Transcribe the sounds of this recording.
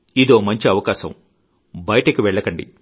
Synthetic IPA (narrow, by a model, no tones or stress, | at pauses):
id̪o̞ːmɐɲt͡ʃiɐʋɐkaːsɐm | bɐjɐʈɐkiʋɛɭːɐkɐɳɖḭ